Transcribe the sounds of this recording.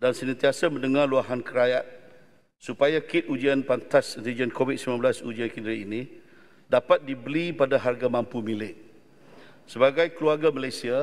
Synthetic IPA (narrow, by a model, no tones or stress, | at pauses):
dansənant̪iasamə̃ndəŋarluaɦankəɾajat̪̚ | supajakɪt̪̚ud͡ʒianpant̪asint̪id͡ʒiankovit̪̚simnãnbəlasud͡ʒiankindɾiinĩ | dapat̪̚dibəlipadaɦarɡamãmpumilɪʔ̚ | səbaɡajkəluarɡaməlajsia